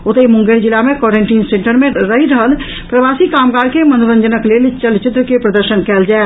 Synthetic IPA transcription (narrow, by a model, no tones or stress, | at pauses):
ot̪emʊ̃ŋɡeɾd͡ʒilːamekɔɾeɳʈiːnseɳʈəɾmẽɾəɦiɾəɦəl | pɾəʋasikaːmɡaːɾkemənd̪uɾənd͡ʒənəklelt͡ʃəlt͡ʃɪt̪ɾəkepɾəd̪əɾʃənkɛːld͡ʒae